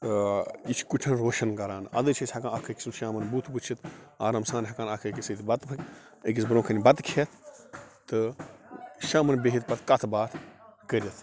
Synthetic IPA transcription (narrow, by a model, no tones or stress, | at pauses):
it͡ʃʰkuʈʰɐnɾoːʃɐnkɐɾaːnɐ̰d̪ɨːt͡ʃʰisʲhɐkaːnɐkʰɐkʲi̥sunʃaːmɐnbuːt̪ʰput͡ʃʰit̪ʰaːɾɐmsaːnɦɐkaːnɐkʰɐkʲisɨt̪ibɐt̪pʰɐkʲ | ək̬ʲisbɾõːkʰɐnʲibɐt̪kʰet̪ʰt̪ɨ | ʃãːmɐnbeɦit̪̚pɐt̪ʰkɐt̪ʰbaːt̪ʰkəɾʲɐt̪ʰ